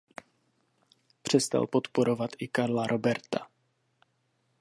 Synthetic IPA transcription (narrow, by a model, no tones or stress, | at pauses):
pr̝̥ɛst̪a̰lpo̞t̪poɾo̞vat̪ʔɪkaɾlaɾʔo̞bɛɾt̪a